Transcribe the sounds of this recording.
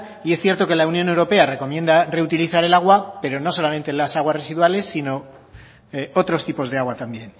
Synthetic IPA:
iesθjeɾt̪o̞ke̞launjo̞newɾo̞pe̞are̞ko̞mje̞nd̪are̞ut̪iliθaɾe̞laɣ̞wape̞ɾo̞no̞so̞lame̞nt̪elasaɣwasre̞siðwale̞sːino̞ | o̞t̪ɾo̞st̪ipo̞zðe̞aɣwat̪ambje̞n

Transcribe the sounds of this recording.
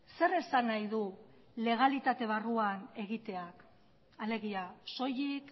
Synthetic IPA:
se̞ɾe̞sanajðu | le̞ɣ̞alit̪at̪e̞β̞aruane̞ɣit̪e̞ak | ale̞ɣ̞iaso̞jik

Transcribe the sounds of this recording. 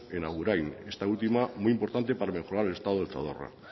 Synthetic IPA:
enaɣuɾajne̞st̪ault̪imamujimpo̞ɾt̪ant̪epaɾame̞xoɾaɾele̞st̪aðoelθa̰ðo̰ra̰

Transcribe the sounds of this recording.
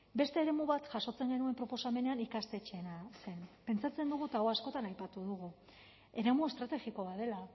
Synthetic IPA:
be̞st̪e̞ːɾe̞muβat̪ʝaso̞t͡se̞ŋɡe̞nue̞mpɾo̞po̞same̞ne̞anikast̪e̞t͡ʃenase̞npe̞nt͡sat͡se̞nd̪uɣ̞ut̪aoasko̞t̪anajpat̪uðuɣ̞u | e̞ɾe̞mue̞st̪ɾat̪e̞ɣiko̞βaðe̞la

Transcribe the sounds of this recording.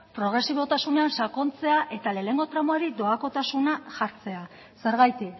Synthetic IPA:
pɾo̞ɣɾe̞siβo̞t̪asune̞ansako̞nt͡se̞aʔe̞t̪ale̞ne̞ŋɡo̞t̪ɾamoaɾid̪o̞ako̞t̪asunaʝaɾt͡se̞a | se̞ɾɣajt̪ik

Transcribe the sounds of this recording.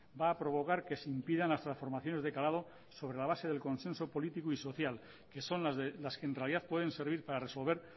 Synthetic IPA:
baːpɾo̞β̞o̞kaɾke̞seimpiðanlast̪ɾansfo̞ɾmaθjo̞nezðe̞kalaðo̞ | so̞β̞ɾe̞laβ̞ase̞ð̞e̞lko̞nse̞nso̞po̞lit̪ikuiso̞θjal | ke̞so̞nlazelaskeːnrealiðaθpwe̞ðe̞nse̞ɾβ̞iɾpaɾare̞so̞lβ̞e̞ɾ

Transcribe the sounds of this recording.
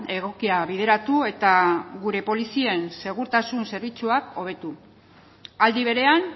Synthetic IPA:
e̞ɣ̞o̞kiaβið̞e̞ɾat̪ue̞t̪aɣuɾe̞po̞lisie̞nse̞ɣ̞uɾt̪asunse̞ɾβit͡suako̞β̞e̞t̪u | ald̪iβ̞e̞ɾe̞an

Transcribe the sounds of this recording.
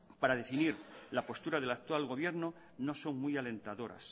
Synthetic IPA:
paɾaðe̞finiɾlapo̞st̪uɾað̞e̞lak̚t̪walɣo̞β̞je̞ɾno | no̞so̞ŋmjale̞nt̪aðo̞ɾa̰s

